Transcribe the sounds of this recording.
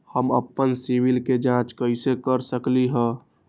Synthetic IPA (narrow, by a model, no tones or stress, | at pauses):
həmə̰pːənsiʋilked͡ʒãt͡ʃkəisekəɾsəkliɦɛ̃